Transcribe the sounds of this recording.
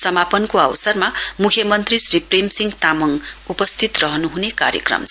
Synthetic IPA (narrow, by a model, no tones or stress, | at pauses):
sʌmapʌnkoʌwsʌrmamukʰjʌmʌnt̪risripremsiŋɡt̪amʌŋupʌst̪ʰit̪rʌɦʌnuɦuneka̰ɾjʌ̰krʌ̰mt͡s